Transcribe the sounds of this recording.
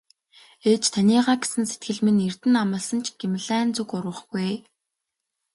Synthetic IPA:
eːt͡ɕt̪ʰanʲiːʁaːɡe̥sɘ̆nse̥t̪̚ɡɘ̆ɮmɘ̆nir̥t̪ɘ̆namə̆ɮsə̆nt͡ɕʰɡ̥emɮæːnt͡sukʊɾwə̆χɡuj

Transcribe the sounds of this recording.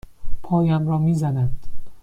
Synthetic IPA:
pʰɒːjæmɾɒːmiːzænæd̪̥

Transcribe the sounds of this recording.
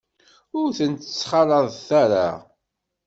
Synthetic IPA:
ʊɾθənt̪ət͡sːχɑlˤəðˤθæɾa̰

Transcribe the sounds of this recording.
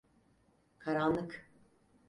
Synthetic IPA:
kʰaɾanlˠɯk

